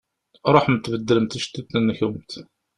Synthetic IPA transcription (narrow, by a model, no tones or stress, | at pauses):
ɾˤoħmət̪ːvəd̪ːələmt̪iʃt̪ːit̪nənːəçumt̪